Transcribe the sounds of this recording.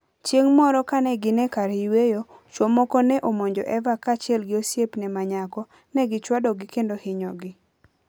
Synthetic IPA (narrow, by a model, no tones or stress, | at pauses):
t͡ʃjeŋmɔɾɔkanɛɡɪnɛkaɾhɪwejot͡ʃwomɔkɔnɛʔomoɲd͡ʒɔ̰ʔɛvakat͡ʃɪɛlɡɪosjepnɛmaɲakɔ | nɛɡɪt͡ʃwadɔɡɪkendohɪɲɔɡɪ